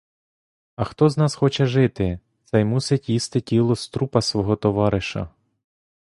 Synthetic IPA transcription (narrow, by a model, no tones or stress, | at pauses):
ɐxt̪ɔznɑsxɔt͡ʃɛʒɪt̪ɪ | t̪sɛjmusɪtʲjist̪ɪtʲilˠɔst̪ɾupɐsʋɔɦɔt̪ɔʋɑɾɪʃɐ̰